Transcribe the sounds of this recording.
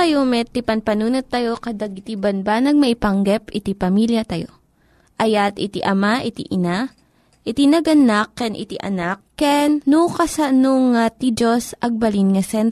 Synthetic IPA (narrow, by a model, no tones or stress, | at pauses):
ɐjomɛt̪ipɐnpɐnuːnot̪ːɐjokɐd̪aɡɪt̪ibɐnbanɐɡ̚mɐʔɪpɐŋɡɛpɪt̪ipɐmiljɐt̪ɐjo̰ | ʔɐjat̪ɪt̪iʔɐmaʔɪt̪iʔɪna | ʔɪt̪inɐɡɐnakːɛnʔɪ̰t̪iʔɐ̰nakːɛnːukɐsɐnoŋat̪id͡ʒosʔɐɡ̚bɐlinŋɐsɛnt̪